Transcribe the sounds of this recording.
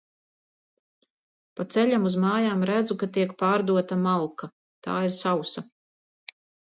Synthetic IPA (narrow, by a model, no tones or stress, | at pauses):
pat̪sɛʎamuzmaːjaːmɾæd̪zukat̪iɛkpaːɾd̪uɔt̪amalˠka | t̪a̰ːiɾsawsa